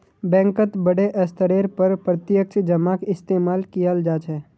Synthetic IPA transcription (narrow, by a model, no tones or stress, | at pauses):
bɛ̃ːŋkət̪bəɽeʔəst̪əɾeːɾpəɾpɾət̪jək̚t͡ʃʰd͡ʒəmakɪst̪eːmaːlkijəld͡ʒaːt͡ʃʰɛː